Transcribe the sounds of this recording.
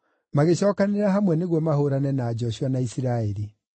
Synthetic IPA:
maɣeɕɔːkaneɾaɦamwɛneɣwɔmahoɾanɛnaːd͡ʒɔɕuwanaisiɾaɛɾi

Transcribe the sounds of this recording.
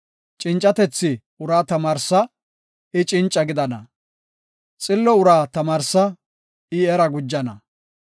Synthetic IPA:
t͡ʃʼɪnt͡ʃʼːɐt̪ɛt͡sːɪ | ʊɾaːt̪ɐmaːɾsɐ | ɪt͡ʃʼɪnt͡ʃʼːɐɡɪd̪ɐnɐ̰ | t͡sʼɪlːɔʊɾaːt̪ɐmaːɾsɐ | ɪɛɾɐɡʊd͡ʒːɐnɐ̰

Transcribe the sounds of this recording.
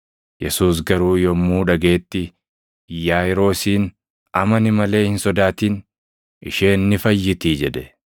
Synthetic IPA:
jɛsuːs̬ɡɐɾuːjɔmːuːᶑɐɡe̞ːt̪ːɪ | jaːɪɾo̞ːsiːn | ɐmɐnɪmɐle̞ːhɪnsɔd̪aːt̪iːn | ɪ̰ʃeːnːɪfɐjːɪt̪iːd͡ʒɛd̪ɛ

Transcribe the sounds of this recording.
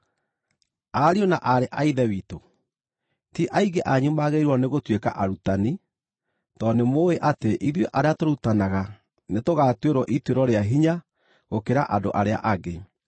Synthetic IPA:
aɾionaʔaɾeʔaiðɛwito | tiʔaiɣeʔaɲumaɣeiɾwɔneɣotweka̰ʔaɾutani | tɔnemoeʔateʔiðweʔaɾeatoɾutanaɣa | netoɣaːtweɾwɔʔitweɾɔɾeaɦiɲa | ɣokeɾa̰ʔadoʔaɾea̰ʔaɣe

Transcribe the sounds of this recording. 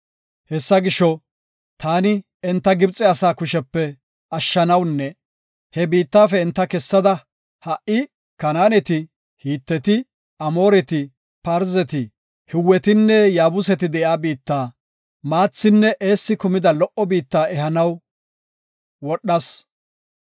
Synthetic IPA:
hɛsːɐɡɪʃɔ | t̪aːnɪ | ɛnt̪ːɐɡɪbt͡sʼɛɐsaːkʊʃɛpːɛ | ɐʃːɐnɐwnːɛ | hɛbiːt̪ːaːfɛɪnt̪ːɐkɛsːɐd̪ɐ | hɐʔɪ | kɐnaːnɛt̪ɪ | hiːt̪ːɛt̪ɪ | ɐmo̞ːɾɛt̪ɪ | pɐɾzɛt̪ɪ | hɪwːɛt̪ɪnːɛjaːbʊsɛt̪ɪd̪ɛʔjaːbiːt̪ːaː | maːt͡sːɪnːɛʔeːsːɪkʊmɪd̪ɐlɔʔɔbiːt̪ːaːɛhɐnɐw | wɔɗːɐs

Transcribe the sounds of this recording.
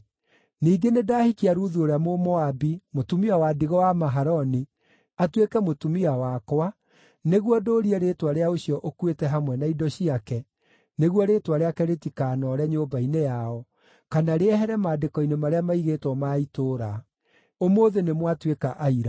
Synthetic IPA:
niːɡenedaːhikiaɾuðuoɾeamomɔabimotumiawadiɣɔwamaɦaɾɔni | atwekɛmotumiawakwa | neɣwɔdoːɾiɛɾeːtwaɾeaoɕiɔʔokwetɛɦamwɛnaidɔɕiakɛ | neɣwɔɾeːtwaɾeakɛɾetikaːnɔɾɛɲobainejaɔ | kanaɾeɛɦɛɾɛmaːdekɔinemaɾeamaiɣetwɔmaitoːɾa | omoːðenemwatwekaʔaiɾa

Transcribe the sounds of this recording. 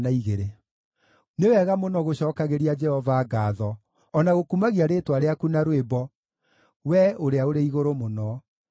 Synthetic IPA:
naiɣeɾe | newɛɣamonɔɣoɕɔːkaɣeɾiad͡ʒɛhɔvaːɡaːðɔ | ɔnaɣokumaɣiaɾeːtwaɾeakunaɾwebɔ | wɛoɾeaoɾeiɣoɾomonɔ

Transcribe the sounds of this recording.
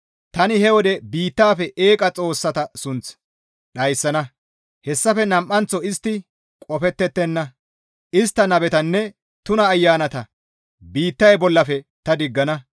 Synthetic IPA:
t̪ɐnɪhɛwɔd̪ɛbiːt̪ːaːfɛʔeːkʼɐt͡sʼo̞ːsːɐt̪ɐsʊnt͡s | ɗɐjsːɐnɐ | hɛsːɐfɛnɐmʔːɐnt͡sːɔɪst̪ːɪ | kʼɔfɛt̪ːɛt̪ːɛnːɐ | ʔɪst̪ːɐnɐbɛt̪ɐnːɛ | t̪ʊnɐːjːaːnɐt̪ɐ | biːt̪ːɐjbɔlːɐfɛt̪ɐd̪ɪɡːɐnɐ

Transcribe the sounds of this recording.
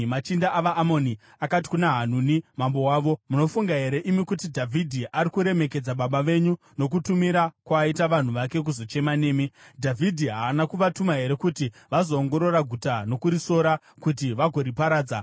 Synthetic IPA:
mat͡ʃindaʔaʋaʔːmo̞ni | akati̥kunaɦan̤unimambo̞waːʋo̞muno̞fuŋɡaɦe̞ɾe̞ʔimikutidʱavʱidʱiʔaɾikuɾe̞me̞ked͡zaɓaɓaʋe̞ɲu | no̞k̬utumiɾakwaitaʋan̤uʋake̞k̬uzo̞t͡ʃe̞mane̞ːmidʱavʱidʱiɦaːnakuʋatumaɦe̞ɾe̞kuti | ʋazo̞ːŋɡo̞ɾo̞ɾaɡʱutano̞kuɾiso̞ɾa | kut̬iʋaɡʱo̞ɾipaɾaːd͡za

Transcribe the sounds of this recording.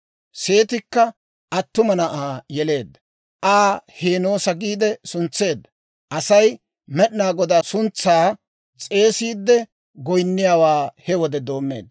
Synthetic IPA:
se̞ːt̪ɪkːɐ | ʔɐt̪ːʊmɐnɐʔaːjɛle̞ːd̪ːɐ̥ | ʔaːheːno̞ːsɐɡiːd̪ɛsʊnt͡sːe̞ːd̪ːɐ | ʔɐsɐj | mɛɗnaːɡɔd̪aːsʊnt͡sːaː | t͡sʼe̞ːsiːd̪ːɛ | ɡɔjnːɪjaːwaːhɛwɔd̪ɛd̪o̞ːmːe̞̰ːd̪ːɐ

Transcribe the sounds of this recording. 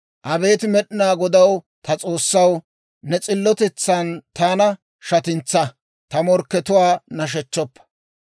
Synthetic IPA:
ʔɐbe̞ːt̪ɪmɛɗɪnaːɡɔd̪ɐw | t̪ɐt͡sʼo̞ːsːɐw | nɛt͡sʼɪlːɔt̪ɛt͡sːɐnt̪aːnɐ | ʃɐt̪ɪnt͡sːɐ | t̪ɐmɔɾkːɛt̪ʊwaːnɐʃ̬ɛt͡ʃːɔpːɐ̥

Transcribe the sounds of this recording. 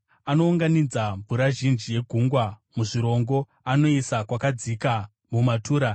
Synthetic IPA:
ano̞uŋɡanid͡zambuɾaʒind͡ʒije̞ɡʱuŋɡwamuʐiɾo̞ŋɡo̞ | ano̞isakwakad͡zika | mumatʰuːɾa

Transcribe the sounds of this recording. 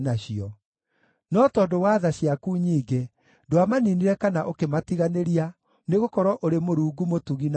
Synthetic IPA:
naɕiɔ | nɔtɔːdowaðaɕiakuɲiːɡe | doamaniniɾɛkanaʔokematiɣaneɾia | neɣokɔɾwɔʔoɾemoɾuːɡumotuɣin

